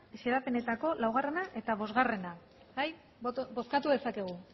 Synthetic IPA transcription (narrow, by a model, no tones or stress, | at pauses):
seɾape̞ne̞t̪ako̞lawɣ̞are̞naʔe̞t̪aβo̞zɣare̞na | baj | bo̞skat̪uðe̞sake̞ɣ̞u